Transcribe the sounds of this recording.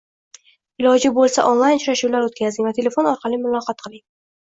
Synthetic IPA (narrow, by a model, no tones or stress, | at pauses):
ɪlˠɒd͡ʒɪbolˠsaʔonlˠajnt͡ʃʰɾaʃuwlaɾot̪kʲazɪŋʲvat̪ʰe̞le̞fo̞nɒɾqʰɑlimʊlˠɒqɑt̪̚qʰɨlˠɪŋ